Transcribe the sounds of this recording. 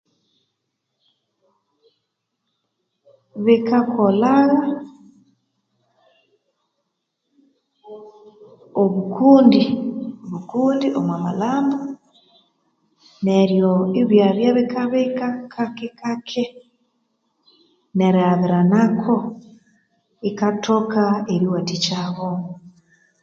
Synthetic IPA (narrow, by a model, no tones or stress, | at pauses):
βikakʰolaɣa | oβukuːndioβukuːndiʔomwamalaːmbo | neɾjoiβjaβjaβikaβekakʰakekakʰe | neɾaβiɾanakʰo | ikatʰokaeɾiwatit͡ʃaβomu